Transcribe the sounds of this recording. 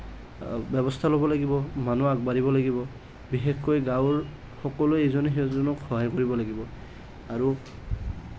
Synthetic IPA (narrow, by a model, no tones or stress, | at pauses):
bɛbɔstʰalobɔlaɡibɔmanuaɡ̚baɾibɔlaɡibɔ | bixexkɔjɡaʊɹ | xɔkɔluejzɔneɦezɔnɔkxɔɦajkoɹibɔlaɡibɔ | aɹu